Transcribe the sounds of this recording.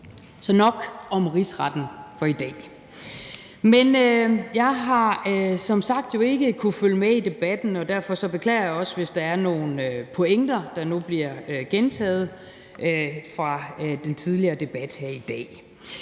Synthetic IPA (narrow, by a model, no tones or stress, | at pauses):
sɒ̽nɒ̽ɡ̥ɒ̽mʁisʁɑd̥n̩fɒ̽id̥ɛ̰ː | menøjɑ̈ɪɦɑ̈sɒ̽msɑ̈ɡ̥̚d̥jo̝e̝ɡ̥əkʰuføləmeid̥e̝b̥æd̥n̩ɒ̽d̥æɐfɒ̽sɒ̽b̥e̝kʰlɛ̰ːɐjɑ̈ɒ̽sʋe̝sd̥ɑ̈æɐno̝ːn̩øpʰo̝eŋ̰d̥ɐd̥ɑ̈nub̥liɐ̰ɡ̥ent͡sʰɛ̰ːð̞̩ˠ | ʔøfʁɑ̈d̥ent͡sʰið̞ˠliɐːd̥e̝b̥æd̥hæɐ̰id̥ɛ̰ː